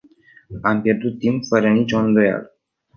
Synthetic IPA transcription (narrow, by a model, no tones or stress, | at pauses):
ampje̞rd̪ut̪ːimpfəɾənit͡ʃo̞ɨnd̪o̞ja̰lə